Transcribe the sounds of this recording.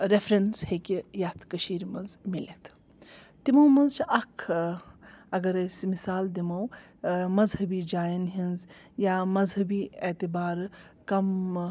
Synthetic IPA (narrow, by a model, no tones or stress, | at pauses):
ɾefʰɾɐnshekijaːt̪ʰkɐʃiːɾmɐzmilet̪ʰ | t̪imɐwmɐnzt͡ʃʰiʔɐkʰ | ɐɡɐɾɐsmisaːld̪imɐw | mɐzɦɐbiːd͡ʒaːjɐnɦĩnz | jaːmɐzɦɐbiːet̪ibaːɾkɐm